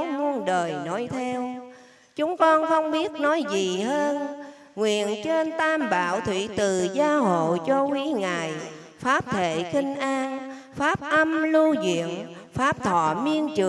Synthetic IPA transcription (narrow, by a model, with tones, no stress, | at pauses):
wmu˧ənɗəː˨˩jno˨˦jt̪ʰɛ˧w | t͡ɕʊ˨˦ŋ͡mkɔ˧nxə˧wŋ͡mɓi˦˥ət̚nɔ˨˦jzi˨˩ɦəː˧n | ŋwḭ˧˨ənt͡ɕe˧nt̪aː˧mɓa̰ː˧˨wt̪ʰwḭ˧˩˨t̪ɨ˨˩zaː˧˦ɦo̰˧˨jt͡ɕɔ˧ki˨˦ŋaː˨˩j | faː˦˥p̚t̪ʰe˧˩˨xï˧ŋ̟ʔaː˧n | faː˦˥p̚ʔə˧mlu˧zḭ˧˨ən | faː˦˥p̚t̪ʰɔ̰˧˩mi˧ənt͡ɕɨ˨˩